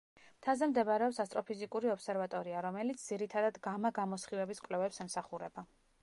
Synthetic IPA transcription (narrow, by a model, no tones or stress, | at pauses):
mt̪ʰazɛmd̪ɛvaɾɛɔpsast̪ʼɾɔpʰizikʼuɾiɔpsɛɾvat̪ʼɔɾiaɾɔmɛlit̪sʰd̪z̥iɾit̪ʰad̪ad̪ɡamaɡamɔsχivɛbiskʼwlɛvɛpsɛmsaχuɾɛba